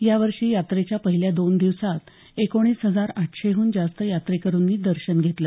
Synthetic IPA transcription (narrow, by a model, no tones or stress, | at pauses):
jaʋəɾʂiːjat̪ɾet͡ɕjapəɦiljad̪ond̪iʋsat̪ | ekoɽ̃iːsɦəd͡zaɾaʈɕeɦuːnd͡zast̪əjat̪ɾekəɾuːnːiːd̪əɾɕənɡʱet̪lə